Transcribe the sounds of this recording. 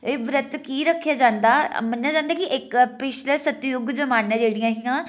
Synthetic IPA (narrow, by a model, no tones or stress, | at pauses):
eʋɾɐt̪kiɾɐkʰijad͡ʑãːn̆d̪amɐnɐ̃d͡ʑãːnd̪akiʔekpɪʃʰlesɐt̪jʊɡd͡ʑomaːnəd͡ʑeːɽijãɦijã